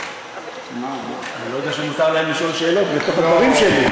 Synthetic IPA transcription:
maanilojod̪eaʃenmut̪aʁlaemliʃo̞lʃe̞ːlo̞t̪veot̪ot̪aɡvaʁimʃeli

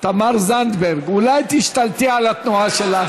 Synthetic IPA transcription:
t̪amaʁzand̪beʁɡulajt̪iʃt̪alt̪ialat̪nuaʃela

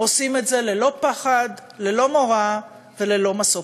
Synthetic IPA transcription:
o̞simetze̞le̞lo̞paχad̪le̞lo̞moʁa | ve̞le̞lo̞maso

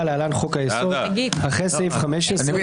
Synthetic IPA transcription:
alealanχokajesod̪ | ɡiaχesevχameʃese

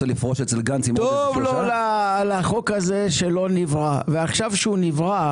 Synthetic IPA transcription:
elifʁoʃet͡selɡant͡simt̪ovlolalaχo̞kaze̞ʃelo̞nivʁaveaχʃavʃeunivʁa

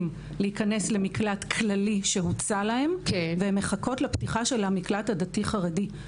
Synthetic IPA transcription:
m | lehikanesle̞miklatkʰlaliʃe̞ɦut͡salahe̞mveemheχako̞tlaptiχaʃe̞lamiklatadatiχaʁedi

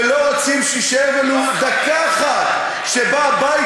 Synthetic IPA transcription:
loʁot͡simʃiʃevanud̪akaχa | ʃebaba

